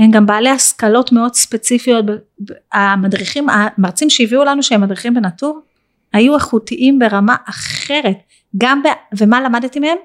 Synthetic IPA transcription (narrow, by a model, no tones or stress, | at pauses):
hemɡambaːlehaskalo̞tme̞o̞dspe̞t͡sifijo̞t̚be | bamadʁiχimamaʁt͡simʃeiviulanuʃeemadʁiχimbe̞natuʁ | hajuaχutiʔimbe̞ʁamaʔaχe̞ʁe̞t | ɡambeve̞malamadtimehe̞m